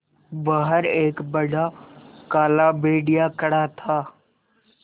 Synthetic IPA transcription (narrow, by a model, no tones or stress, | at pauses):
bəɦəɾeːkbəɽʱakaːlabeːɖɪjakəɽat̪ʰaː